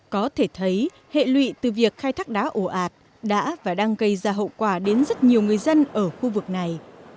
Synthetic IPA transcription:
kɔ˨˦t̪ʰe˧˩t̪ʰə˨˦j | hḛ˧˨lwḭ˧˨t̪ɨ˨˩vi˨˩ək̚xaː˧jt̪ʰaː˦˥k̚ɗaː˨˦ʔo˧˩ʔaː˨˩t̚ | ɗa̰ː˧˥vaː˨˩ɗaː˧ŋɣə˧jzaː˧ɦə̰˧˨wkwaː˧˩ɗe˨˦nzə˦˥t̚ɲi˨˩əwŋɨ˨˩əjzə˧nʔəː˧˩xu˧vɨ˨˩k̚na˨˩j

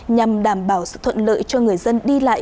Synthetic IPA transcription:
ɲa˨˩mɗaː˧˩mɓaː˧˩wsɨ̰˧˨t̪ʰwə̰˧˨nlə̰ː˧˨jt͡ɕɔ˧ŋɨ˨˩əjzə˧nɗi˧la̰ː˧˨

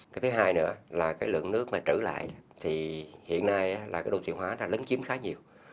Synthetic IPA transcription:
kaː˨˦jt̪ɨ˨˦ɦaː˧jnɨ̰˧˥əlaː˨˩kaː˨˦jlɨ̰˧˨əŋnɨ˦˥ək̚maː˨˩t͡ɕɨ˧˩la̰ː˧˨jt̪ʰi˨˩hḭ˧˨ənːaː˧ja˨˦laː˨˩kaː˨˦jɗə˧wt̪ḭ˧˨ənhwaː˨˧˦naː˧˨˩lə˨˦nt͡ɕi˨˦əmxaː˨˦ɲi˨˩əw

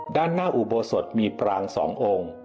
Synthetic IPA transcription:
daː˥˩nːaː˥˩ʔu˨˩boː˧so˨˩t̪̚miː˧pɾaː˧ŋsɔ̰ː˩˦ŋʔoː˧ŋ

